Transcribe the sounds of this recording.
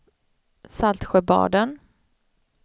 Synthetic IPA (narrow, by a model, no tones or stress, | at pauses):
salt̪ɧɛbɑ̰ːɖ̪ən